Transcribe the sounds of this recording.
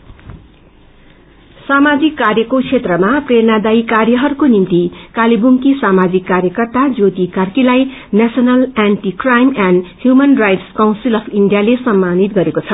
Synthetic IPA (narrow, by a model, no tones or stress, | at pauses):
samad͡zikːarjʌkot͡sʰet̪rʌmaprenad̪ajkarjʌɦʌrkonimt̪ikalibʱuŋkisamad͡zikːarjʌkʌrt̪ad͡zot̪ikarkilajnasʌnʌlanʈikrajmanhjumʌnrajʈskawnsilʌpʰiɳɖijalesʌmːanit̪̚ɡʌɾekot͡sʰʌ